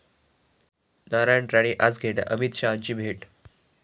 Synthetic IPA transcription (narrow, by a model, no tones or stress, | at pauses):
naɾajəɳɖɾaɽ̃iʔat͡sɡʱeʈa̰ʔəmit̪ɕaɲt͡ɕiːbʱeʈ